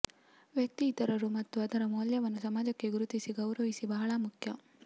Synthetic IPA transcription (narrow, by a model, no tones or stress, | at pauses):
ʋjɐk̚t̪iːt̪ɐɾɐɾumɐt̪ːuɐd̪ɐɾɐmoːljɐʋɐnːusɐmaːd͡ʒɐkːe̞ɡuɾut̪isiɡɐwɾɐʋisibɐɦɐɭɐmukʰjɐ